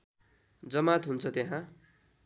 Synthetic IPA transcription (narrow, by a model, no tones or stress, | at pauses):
d͡zʌmat̪ɦunt͡sʰʌt̪eɦã